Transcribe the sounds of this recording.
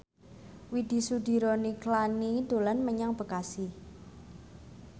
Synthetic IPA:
wid̪̥i̤sud̪i̤ɾoniklanid̪̥o̤lanməɲaŋb̥ə̤kasi

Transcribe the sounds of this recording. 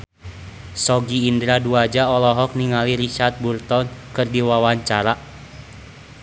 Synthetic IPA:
sɔɡiːndɾaduad͡ʒaɔlɔɦɔk̚niŋaliɾiʃart̪̚burt̪ɔnkɨrdiwawaɲt͡ʃaɾa

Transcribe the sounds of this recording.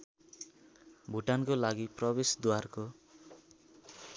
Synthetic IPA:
bʱuʈankolaɡiprʌbesd̪warko

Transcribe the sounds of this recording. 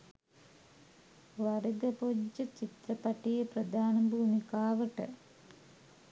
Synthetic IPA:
ʋɐɾɐd̪ɐpod͡ʒːɐt͡ɕit̪ɾɐpɐʈːijeprɐd̪ʱaːnɐbʱuːmikaːʋɐʈɨ

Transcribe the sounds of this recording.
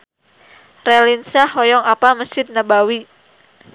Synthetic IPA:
rɛlinsahɔjɔŋapaməsɪd̪̚nabawi

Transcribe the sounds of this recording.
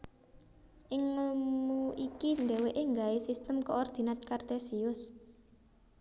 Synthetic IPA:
ʔɪŋəmmuʔikind̪ɛweʔeŋɡaesist̪əmkɔɔrd̪̥i̤nat̪̚kart̪ɛsiʊs

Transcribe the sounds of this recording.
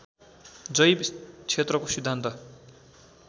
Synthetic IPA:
d͡zʌjbt͡sʰet̪rʌkosid̪ʱːant̪ʌ

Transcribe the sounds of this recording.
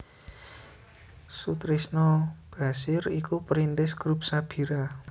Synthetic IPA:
sut̪ɾisnɔb̥a̤sɪɾikupɾint̪ɪsɡ̥ɾup̚sab̥i̤ɾa

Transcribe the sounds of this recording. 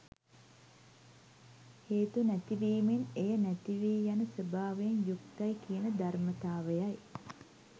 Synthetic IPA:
heːt̪unæt̪iʋiːmenejənæt̪iʋiːjanəsəbaːʋejenjuk̚t̪ajkijənəd̪armət̪aːʋejaj

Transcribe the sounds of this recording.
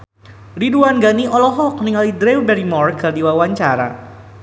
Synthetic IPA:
riduanɡaniʔɔlɔɦɔk̚niŋalidɾewbɛɾimɔrkardiwawaɲt͡ʃaɾa̰

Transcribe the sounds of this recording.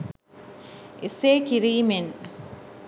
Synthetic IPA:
ʔeseːkiɾiːmen

